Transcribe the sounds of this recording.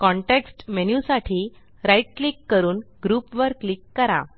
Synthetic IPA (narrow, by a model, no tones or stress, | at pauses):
kɔ̃ɳʈeksʈmenjusaʈʰiː | ɾaiʈ̚klikːəɾuːnɡɾupʋəɾkːlikːəɾa̰